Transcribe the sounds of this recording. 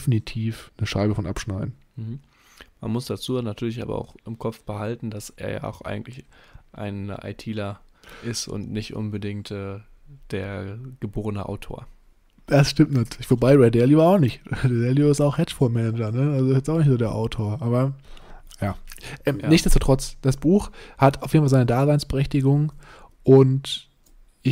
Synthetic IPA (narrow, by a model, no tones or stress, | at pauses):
finitʰiːfnəʃaɪbəfɔnʔa̰pʃnaɪdn̩m̩h̩ | ma̰nmʊsd̥at͡suːnatʰyːɐlɪçʔa̰ːbɐ̰a̰ʊxɪmkʰɔp͡fb̥əhaltn̩d̥asḛːɐja̰ːʊʔa̰ɪɡŋ̩tlɪçʔa̰ɪnʔa̰ɪtʰiːlɐʔɪstʊ̰ntnɪçtʔʊ̰nbədɪŋktʔɛː | d̥eːɐɡ̥əboːʁənəʔa̰ʊtʰo̰ːɐ | d̥asʃtɪmtnatʰːlɪçv̥obaɪʁɛdɛɐlivaaʊxnɪçtdɛdɛliɪstaʊxhɛt͡ʃfɔːɐmɛnɛd͡ʒɐnəalzoɪsjɛsaʊxnɪçtz̥oːdeːɐʔaʊtʰoːɐʔaːbɐ | jaːʔɛːmnɪçtz̥ɛstuːtʁ̥ɔt͡sd̥asb̥uːxhataʊfjednfalzaɪnədaːzaɪnsb̥əʁɛçtɪɡʊŋ | ʔʊnt | ʔɪ